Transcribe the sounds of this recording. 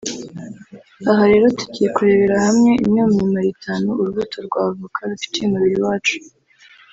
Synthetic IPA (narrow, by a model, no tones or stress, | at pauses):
aɦaɾe̞ːɾo̞tuɟije̞kuɾe̞βeɾahamŋe̞ʔḭmɲoːmɲimaɾitʰaːnuuɾuβutoɾɡwaːvukʰaɾufi̥teumuβiɾiwaːt͡ʃu̥